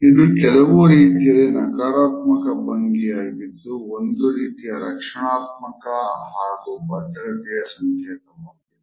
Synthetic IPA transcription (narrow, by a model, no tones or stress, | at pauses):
ind̪ukɛlɐʋoɾiːt̪ijɐlːinɐkaːɾaːt̪mɐkɐbɐŋɡijaːbit̪ːuond̪uɾiːt̪ijɐɾɐkʂɐɳaːt̪̚mɐkɐɦaːɽubɐɖɐɽɐt̪ijɐsɐŋkʰɛːt̪ɐmaːbi